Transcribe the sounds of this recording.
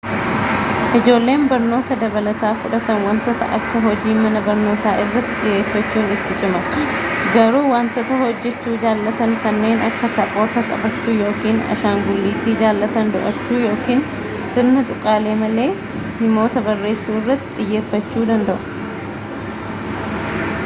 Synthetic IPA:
ʔɪd͡ʒo̞ːlːe̞ːmbɐɾno̞ːt̪ɐd̪ɐbɐlɐt̪aːfʊᶑɐt̪ɐnwɐnt̪ɔt̪ɐ̰ʔɐkːɐɦɔd͡ʒiːmɐnɐbɐɾno̞ːt̪aːʔɪrːɐt̪ːɪt̪ɪjːe̞ːfːɐt͡ʃːuːnɪt̪ːɪt͡ʃʼɪmɐɡɐɾuːwant̪ɔt̪ɐhɔd͡ʒːɛt͡ʃːuːd͡ʒaːlːɐt̪ɐŋkɐnːe̞ːnʔɐkːɐt̪ɐpʼoːt̪ɐkʼɐbɐt͡ʃːuːjo̞ːkiːnɐ̰ʃaːŋɡʊlːiːt̪iːd͡ʒaːlːɐt̪ɐnd̪ʊʔɐt͡ʃːuːjo̞ːkiːn | sɪɾnɐt̪ʼʊkʼːaːle̞ːmɐle̞ː | hɪmo̞ːt̪ɐbɐrːe̞ːsuːɪrːɐt̪ːɪt̪ʼɪjːe̞ːfːɐt͡ʃːuːd̪ɐnd̪ɐʔʊ̥

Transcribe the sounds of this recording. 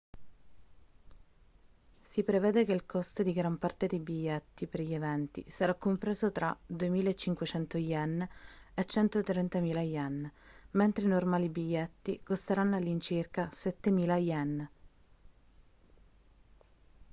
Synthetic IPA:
sipɾevɛːd̪ekeilkʰɔst̪od̪iɡɾampart̪ed̪ejbiʎːet̪ːipeɾʎievɛnt̪ḭsaɾakːompɾeːzot̪ɾad̪uemiːlaet͡ʃːiŋkwet͡ʃɛnt̪ojɛnːet͡ʃːɛnt̪ot̪ɾɛnt̪amiːlajɛnːment̪ɾeinormaːlibiʎːet̪ːikost̪eɾanːalːint͡ʃirkasɛt̪ːemiːlajɛnː

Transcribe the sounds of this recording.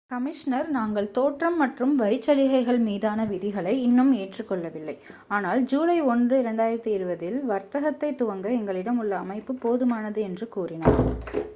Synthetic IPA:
kɐmɪʂnɐɾnaːŋɡɐɭt̪oːʈrɐmːɐʈrɯmʋɐɾɪt͡ʃːɐɻɪɣɐɪɣɐɭmiːðaːnɐʋɪðɪɣɐɭɐɪɪnːɯmeːʈrɯkːɔɭːɐʋɪlːɐɪaːnaːld͡ʒuːlɐɪɔndrɯɪɾɐɳɖaːjɪɾɐt̪ːiɪɾɯbɐðɪlʋɐɾt̪ɐɣɐt̪ːɐɪt̪ːʊʋɐŋɡɐɛŋɡɐɭɪɽɐmɯɭːɐːmɐɪpːɯpoːðɯmaːnɐðɯɛndrɯkuːrɪna̰ːɾ

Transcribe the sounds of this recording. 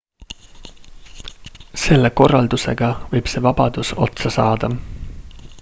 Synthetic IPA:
se̞lːe̞ko̞rːɑld̪use̞̰ɡ̥ɑvɤjb̥se̞ːvɑb̥ɑd̪̥uso̞t̪sɑsɑːd̪ɑ

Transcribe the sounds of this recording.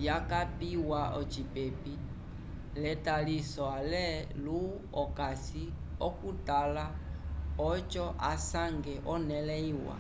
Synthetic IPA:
jakapiwaɔt͡ʃipepi | lɛtalisɔalɛlu | ɔkasi | ɔkutala | ɔt͡ʃɔʔasaŋɡɛʔɔnɛlɛiwa̰

